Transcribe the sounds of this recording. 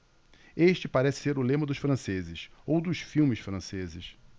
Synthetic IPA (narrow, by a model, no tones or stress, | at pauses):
eʃt͡ʃɪpaɾɛsɪ̥seɾʊlẽmɐd̪ʊʃfɾɐ̃sezɪsowd̪ʊʃfiwmɪʃfɾɐ̃sezɪʃ